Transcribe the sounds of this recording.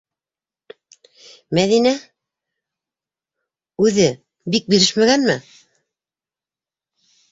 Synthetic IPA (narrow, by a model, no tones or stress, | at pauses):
mæðinæ | ʉðɘ | bik̚biɾɘʃmæɣænmɘ